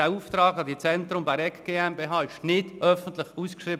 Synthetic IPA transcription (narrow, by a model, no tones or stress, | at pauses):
æːuːft̪ɾɑːɡɑdit͡sɛnt̪ɾʊmbæɪɛkɡ̥eːɛmbeːɦɑːɪʃnɪd̥ʔœfən̩tlɪχuːskʃriːb